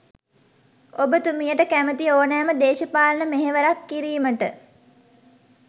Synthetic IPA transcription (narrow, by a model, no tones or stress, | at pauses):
obət̪umijəʈəkæmət̪ioːnæːməd̪eːʃəpaːlənəmeɦeʋəɾakːiɾiːməʈə̰